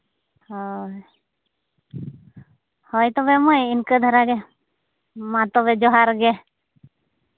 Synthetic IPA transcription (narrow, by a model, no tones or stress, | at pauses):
hɔj | hɔjt̪ɔbɛmɔjinkəd̪ʱəɾaɡɛ | mat̪ɔβɛd͡ʒɔɦaɾɡɛ